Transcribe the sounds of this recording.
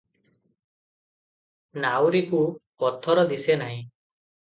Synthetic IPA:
nawɾikupɔt̪ʰɔɾɔd̪isenaɦĩ

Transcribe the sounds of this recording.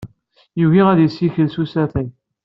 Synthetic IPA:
juɣiʁæðjəsːiçəlsusæθæj

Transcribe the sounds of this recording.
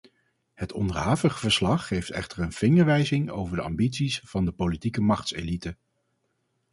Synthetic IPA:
hətʰɔ̰ndəɹɦaːvəχəvəɹslɑχːejftɛ̰χtəɹənv̥ɪŋəɹʋɛjzɪŋo̰wvəɹdəɑ̰mbitsisv̥ɑndəpolitikəmɑχtsḛːlitə

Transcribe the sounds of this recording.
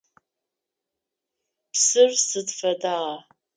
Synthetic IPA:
psɨrsɨdfada

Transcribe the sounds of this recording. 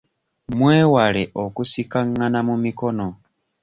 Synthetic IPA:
mwewaleʔokusikaŋːanamumiko̞no

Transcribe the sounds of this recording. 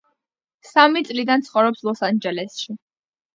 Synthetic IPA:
samit̪sʼlid̪ant̪sʰχɔvɾɔpslˠɔsand͡ʒɛlɛsʃi

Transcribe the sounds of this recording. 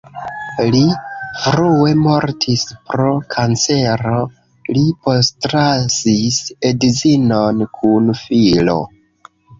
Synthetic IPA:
lifɾue̞mo̞ɾtʰispɾo̞kʰant͡se̞ɾo | lipo̞stɾasisedzinonkʰunfilo̞̰

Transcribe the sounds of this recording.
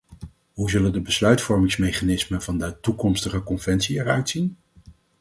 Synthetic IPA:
ɦuzɵləndəbəslœɥtfɔɹmɪŋsmejχanɪsməvɑndətukɔmstəχəkɔnvɛnsiɛrœɥtsin

